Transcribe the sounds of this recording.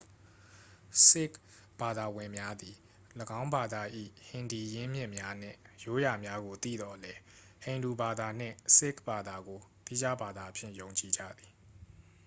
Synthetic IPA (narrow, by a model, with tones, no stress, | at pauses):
sɪ˦˨k | b̥a˨d̪a˨wɪ̃˨mja˦d̪i˨ | ləɡã˦ʊ̃mba˨d̪a˨ʔḭ˦˨hɪ̃˨ndi˨jɪ̃˦mjɪ̃˦ʔmja˦n̥ɪ̰̃˦˨jo˦ja˨mja˦ɡo˨t̪ḭ˦˨d̪ɔ˨lɛ˦ | hẽ˨ɪ̃ndu˨ba˨d̪a˨n̥ɪ̰̃˦˨sɪ˦˨kba˨d̪a˨ɡo˨t̪i˦d͡ʑa˦ba˨d̪a˨ʔpʰjɪ̰̃˦˨jõ˨ʊ̃ɲt͡ɕi˨d͡ʑa̰˦˨d̪i˨